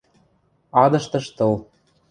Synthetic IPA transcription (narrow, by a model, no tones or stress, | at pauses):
ɑd̪ɤ̆ʃt̪ɤ̆ʃt̪ɤ̆l